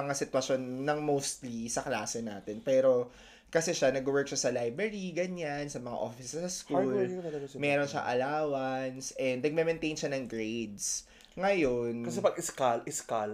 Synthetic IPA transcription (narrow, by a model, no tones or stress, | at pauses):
ɐŋasɪt̪wɐʃo̞nːɐŋmowst̪lisɐkla̰ːsɛna̰ːt̪ɛnpɛːɾo̞ | kɐsɛʃanɐɡwɛɹk̚ʃasɐlajbɾɛɹiɡɐɲansɐmɐŋa̰ʔoːfɪssɐskulmɛːɾonʃɐ̰ŋʔɐ̰laːwɐnsʔɛnd̪nɐɡ̚mɛmɛnt̪ejnʃɐnɐŋɡɹed̪s | ŋɐjonkɐsɛpɐɡɪskalʔɪskal